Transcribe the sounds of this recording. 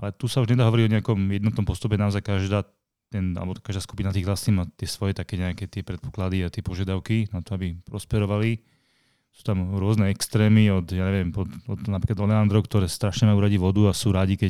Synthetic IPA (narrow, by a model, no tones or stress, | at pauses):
alɛt̪usauʒɲɛd̪aːɦɔʋɔɾiɔɲɛakɔmjɛd̪nɔt̪nɔmpɔst̪upɛnaɔzajkaʒd̪aː | t̪ɛna̰lɛbɔkaʒd̪aːskupinat̪iːɣɦlasniːmat̪ɪɛsʋɔjɛt̪akɛːɲɛakɛːt̪ɪɛpɾɛt̪pɔ̥klad̪iat̪ɪɛpɔʒɪad̪aʊkinat̪ɔabipɾɔspɛɾɔʋali | su̥ːt̪amɾʊɔznɛɛkst̪ɾɛːmiɔd̪jaːɲɛʋɛmpɔd̪ɔd̪napɾiːklad̪ɔlɛand̪ɾɔʊkt̪ɔɾɛːst̪ɾaʃɲɛmajuɾaɟiːʋɔd̪uasuːɾaɟikɛ